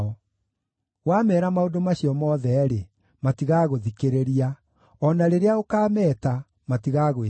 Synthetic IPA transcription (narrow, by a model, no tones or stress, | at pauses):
ɔ | wamɛːɾamaodomaɕiɔmɔðɛɾe | matiɣaɣoðikeɾeɾia | ɔnaɾeɾeaokaːmɛːta | matiɣaɣ